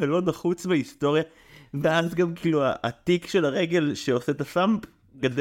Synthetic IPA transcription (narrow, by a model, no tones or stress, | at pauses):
velo̞naχut͡smeist̪o̞ʁja | veazɡamkiːlua̰ʔːt̪ikʃe̞laʁe̞ɡe̞lʃeoset̪asamp | ɡad